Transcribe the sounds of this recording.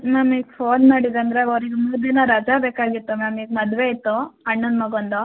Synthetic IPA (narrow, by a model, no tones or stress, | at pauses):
naːmiːɡpʰoːnmaːɽid̪ɐnd̪ɾeɐʋɾiɡemuːd̪inɐɾɐd͡ʒaːbeːkaːɡit̪ːumaːmiːɡmɐd̪ʋeit̪ːuɐɳːɐnmɐɡond̪o